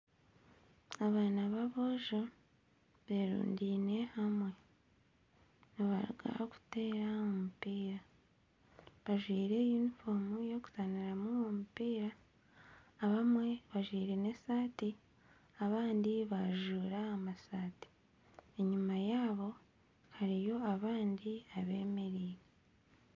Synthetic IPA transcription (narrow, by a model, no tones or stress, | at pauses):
aβaːnaβaβoʒo | βeɾṵːndine̞hamwe̞ | noβa̰ɾṵɡa̰ku̥te̞ːɾaomupiːɾa | βaʒwiːɾe̞junifo̞mujo̞ku̥taniɾamuwomupiːɾaː | βamwe̞βaʒwiːɾe̞ne̞saːti | aβaːndiβaʒuːɾaamasaːti̥ | eɲumajaːβo̞ | haɾijo̞aβaːndiaβe̞ːme̞ɾiːɾe